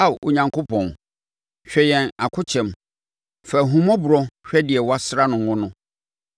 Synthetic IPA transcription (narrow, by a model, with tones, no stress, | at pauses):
a˦˨wʔo˨ɲã˨ŋkʰo˦pʰɔ̃˨n | ɕᶣɛ˦jɛ̃˨na˨kʰʊ˦t͡ɕʰɛ̃˨m | fɛ˨ɦũ˨mɔ̃˦bʊ˨ɾɔ˦ɕᶣɛ˦dɪ˨ɛ˨wa˦sɾa˦nʊ̃˨wʊ̃˦nʊ̃˦